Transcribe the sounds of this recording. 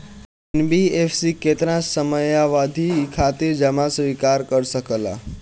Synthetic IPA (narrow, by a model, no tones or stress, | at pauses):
enbiefsiket̪əɾãsəməjaʋad̪ʱikʰat̪ed͡ʒəmasʋikaɾkəɾsəkəla̰